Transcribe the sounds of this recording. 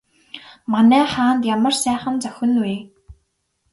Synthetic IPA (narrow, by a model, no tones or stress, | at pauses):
manæːχaːnt̪jamə̆rsæːχə̆nt͡sœxʲɘ̆nweː